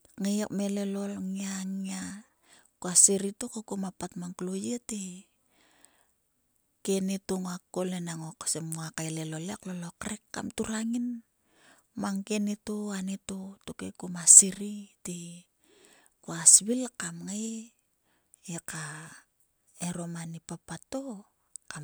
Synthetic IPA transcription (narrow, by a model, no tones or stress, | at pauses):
ŋejekmele̞lo̞lŋiaŋia | kuasiɾitokekumapatmaŋklojeti | kenitoŋoakːolenaŋoksemŋoakaelelo̞leklolokɾekːa̰mtuɾaŋin | maŋkenitoanitotokekumasiɾiti | kuasβilkamŋaj | eka | eɾo̞manipapatːo | ka